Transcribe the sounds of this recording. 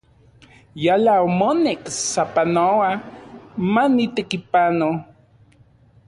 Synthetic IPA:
jalaomoneksapanowa | manit̪ekipano

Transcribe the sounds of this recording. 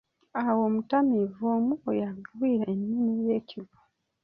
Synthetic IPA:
awomutamivoːmuojaŋɡawiːɾaenːinijeːcʰiβḁ

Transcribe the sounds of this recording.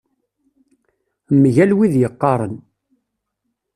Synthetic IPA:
mːʝælwiðjəqːɑɾˤən

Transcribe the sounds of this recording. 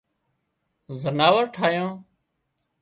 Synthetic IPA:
zənaːʋəɾʈʰaːjõː

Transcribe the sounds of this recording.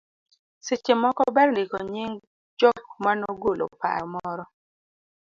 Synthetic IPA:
sɪt͡ʃemɔkɔbɛrdɪkɔɲɪŋ | d͡ʒɔk̚manoɡolʔo̰pa̰ɔmɔɾɔ

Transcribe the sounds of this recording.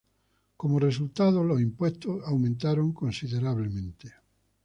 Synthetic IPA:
komores̬ult̪aðolosimpwest̪osawmẽnt̪aɾoŋkonsiðeɾaβ̞lemẽnt̪e̥

